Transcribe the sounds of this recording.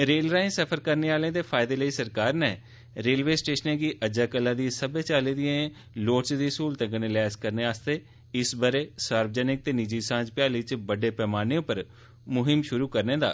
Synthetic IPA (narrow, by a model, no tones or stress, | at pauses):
ɾeːlɾaːɪnsəpʰəɾkəɾneːaːlẽːd̪eːpʰaːɪd̪eːləiːsəɾkaːɾnɛː | ɾeːlʋeːsʈeːʃənẽːɡiːʔəd͡ʒaːkəlːãːd̪isəbeːt͡ʃaːlẽːd̪ɪẽ | loːʈt͡ʃd̪iːsuːlt̪ə̃kənẽlɛːskəɾneːaːst̪eː | ɪsbəɾeːsaːɾbəd͡ʒɛːnɪk̚t̪eːnɪd͡ʒiːsãːd͡ʒpɪjaːliːt͡ʃbəɖeːpɛːmaːnijõːpəɾ | mʊɦɪmʃʊɾuːkəɾnẽːd̪a̰ː